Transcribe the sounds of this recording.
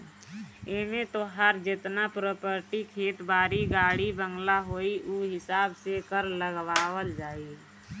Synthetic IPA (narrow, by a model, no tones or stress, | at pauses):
eːmẽt̪oːɦaɾd͡ʒɪt̪napɾoːpəɾʈikʰeːt̪baːɾiɡaːɽibə̃ŋɡlaɦoːiʔuːɦɪsaːbsekəɾləɡʋaːwəld͡ʒaːi